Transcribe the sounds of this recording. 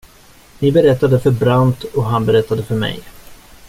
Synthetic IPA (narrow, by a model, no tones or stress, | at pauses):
nɪbɛɾɛt̪ːad̪əfœɾbɾant̪ɔɦanbɛɾɛt̪ːad̪əfœɾmɛ̰j